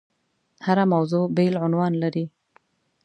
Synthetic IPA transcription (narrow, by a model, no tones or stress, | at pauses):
haɾamawzobelʕʊnwɑnlaɾi